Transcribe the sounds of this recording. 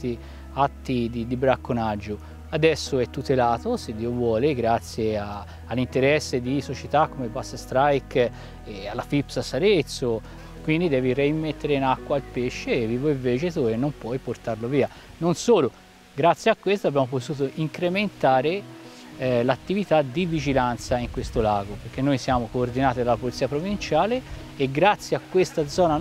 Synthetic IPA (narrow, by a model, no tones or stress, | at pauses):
t̪i | at̪ːid̪id̪ibɾakːonad͡ʒːo | ad̪ɛsːoɛt̪ːut̪elaːt̪osed̪ːiːovwɔːleɡɾat̪sːjea | alːint̪eɾɛsːed̪isot͡ʃet̪akːomebasast̪ɾajk | ealːafipsasaɾet̪sːo | kwind̪id̪ɛːvireimːet̪ːeɾeinakːwailpeʃːeːviːvoiɱveːt͡ʃet̪oenːompwɔjport̪arloviːa | nonsoːlo | ɡɾat̪sːjakːwest̪abːjaːmopot̪uːt̪oʔiŋkɾement̪aːɾe | lat̪ːivit̪ad̪ivid͡ʒilant̪saiŋkwest̪olaːɡopeɾk̟enːojsjaːmokoːrd̪inaːt̪id̪alːapolit̪siːapɾovint͡ʃaːleː | ɡɾat̪sːjeakːwest̪ad̪zɔːna